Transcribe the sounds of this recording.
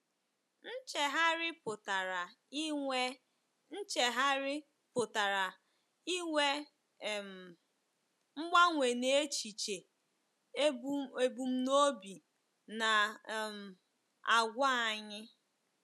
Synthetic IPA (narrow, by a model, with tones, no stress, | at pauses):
n̩˦t͡ʃe˨ɦa˦ɾɪ˦pʊ˨ta˨ɾa˨˦ | e˦ | n̩˦t͡ʃe˨ɦa˦ɾɪ˦ | pʊ˨ta˨ɾa˨ | i˦ŋʷe˦˨ | m̩˨ | ŋ͡m̩˦ɡ͡ba˦ŋʷe˨ne˦˨˦t͡ʃi˨t͡ʃe˨˦ | e˦bu˨m̩˦no˦bi˨ | na˨m̩˨ | a˨ɡʷa˦a˨ɲɪ˦